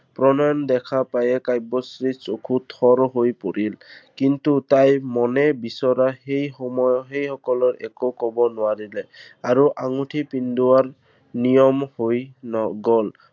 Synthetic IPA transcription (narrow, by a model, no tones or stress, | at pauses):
pɹɔnajɔndɛkʰapajɛkajbɔsɹisokʰutʰɔɹɦojpoɹilkintutajmɔnɛbisɔɾahejxɔmɔjɔɦejhɔkɔlɔɹɛ̰kokɔbɔnʊwaɹilɛaɹuʔaŋutʰipinduaɹ | nijɔmhojnɔɡɔl